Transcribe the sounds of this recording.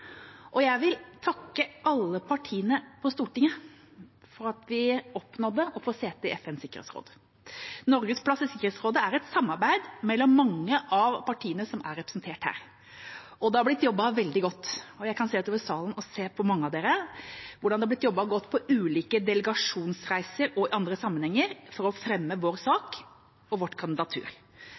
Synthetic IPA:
ʔɔjæɪʋɪlt̪ʰɑkːəɑlːəpʰɑʈʰiːənəpʰɔst̪uːʈɪŋːə | fɔɾɑt̪ʋɪɔpːnɔd̪əɔfɔseːt̪ʰɛʔɛfɛnsɪkːəɾḛt̪sɾo̰ːd̪ə | nɔɾɡəspʰlɑsɪsɪkːəɾet̪sɾoːd̪əæɾɛt̪sɑmːɑɾbæɪd̪mɛlːɔmːɑŋːəʔɑʋpɑʈʰiːənəsɔmæ̰ɾɛpɾɛ̥snt̪ʰeːʈhæ̰ːɾ | ɔd̪ɛhɑɾblɪt̪ːjɔbːɑʋɛld̪ɪɡɔt̪ːɔjæɪkʰɑnseːd̪ɛt̪oːʋəɾsɑːlənɔseːpʰɔmɑŋːəɑʋd̪eːɾəʋʊɖɑnɛɑb̪lɪt̪jɔbːɑɡɔt̪ːpʰɔʔʉːliːkəd̪ɛləɡɑʂuːnsɾæɪsəɾɔɪʔɑnd̪ɾəsɑmːənhɛŋːəɾfɔɾɔfɾɛmːəʋoːɾsɑːk | ɔʋɔʈːkʰɑnd̪ɪd̪ɑt̪ʰʉ̰ːɾ

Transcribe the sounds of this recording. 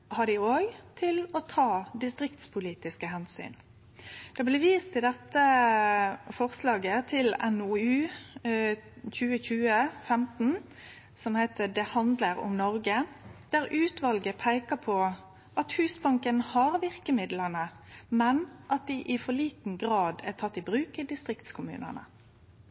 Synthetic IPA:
hɑɖ̪ɪoːɡt̪ʰɪlɔt̪ʰɑːd̪ɪst̪ʁɪkt̪spʰʊliːt̪ɪskəɦɛnsy̰ːn | d̪̥ɛɑblɛʋiːst̪ɪd̪ɛt̪ːə | fɔʁslɑːɡət̪ʰɪlɛnuʉː | çʉːəçʉːəfɛmt̪n̩ | sɔmhæɪt̪əd̪ɛhɑnd̪ləɾʊ̰mnɔʁɡəd̪̥æʁʔʉːt̪ʋɑlɡəpʰæɪkəpʰɔ | ʔɑt̪hʉːsbɑŋkənhɑʁʋɪʁkəmɪd̪lənə | mɛnʔɑt̪̚d̪ɪʔɪfɔɭiːt̪n̩ɡʁɑːd̪æt̪ʰɑt̪ːɪbʁʉːkəd̪ɪst̪ʁɪkt̪skʰʊmʉ̰ːnə̰nə̰

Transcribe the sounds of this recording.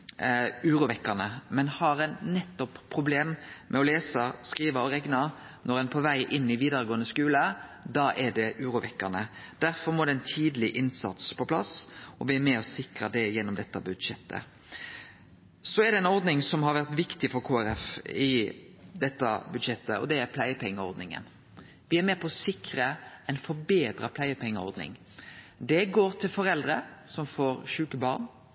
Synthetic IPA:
ʉːɾʊʋɛkːəʁnəmɛnhɑʁɛnnɛt̪ːɔpʰːʁʊbleːmmʔɛɔleːsəskɾiːʋəɔɾɛɡnɑ | nɔɾɛnpʰɔʋæɪʔɪnːɪʋiːd̪əɾəɡoːənəskʉːləd̪ɑːʔɛɖɛʔʉːɾʊʋɛkːəʁnəd̪̥æɾfɔɾmɔd̪ɛɛnt̪ʰiːd̪əlɪʔɪnsɑ̰t̪spʰɔpʰlɑ̰sɔʋɪæɾmɛɔsɪkʁəd̪ɛjɛnːɔmd̪ɛt̪ːəbʉd̪ʂɛt̪ːə̰ | sɔæɾd̪ɛɛnɔɾd̪nɪŋsɔmɦɑɾʋæɾt̪ʋɪkt̪ɪfɔɾkʰuːæɾɛfɪ | d̪ɛt̪ːə̰bʉd̪ʃɛt̪ːə̰ɔ̰d̪ɛæɾpʰlæɪəpʰɛŋːəɔ̰ɾd̪nɪŋə̰n | ʋɪæɾmɛːpʰɔɔsɪkɾəɛɪnfɔɾbeːd̪ɾəpʰlæɪəpʰɛŋːəɔ̰ɾd̪nɪ̰ŋ | d̪ɛɡoːɾt̪ʰɪlfɔɾɛld̪ɾəsɔmfoːɾʃʉːkəbɑːɾn

